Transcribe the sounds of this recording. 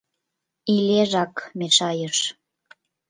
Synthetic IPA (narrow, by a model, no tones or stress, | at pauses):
ileʒɑkmeʃɑjəʃ